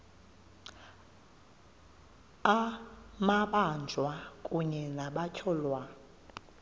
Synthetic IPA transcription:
amaɓand͡ʒʱwakʼuɲɛnaɓacʰɔlwa

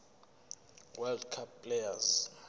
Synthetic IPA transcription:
wɛldkʰapːlejaz

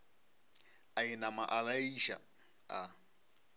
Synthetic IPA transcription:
ainamaʔalaiʃa̰ | a

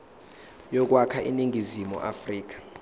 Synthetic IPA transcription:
jɔk̬ʼwakʰaʔḭniŋizimɔ̰ʔa̰friːk̬ḁ

